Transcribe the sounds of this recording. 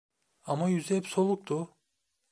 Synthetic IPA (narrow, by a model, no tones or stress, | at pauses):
amajyzɛpso̞lˠuk̚t̪ʰʊ